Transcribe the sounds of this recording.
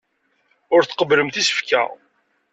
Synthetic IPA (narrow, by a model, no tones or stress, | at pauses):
ʊɾθqəbləmθisə̥fkæ̰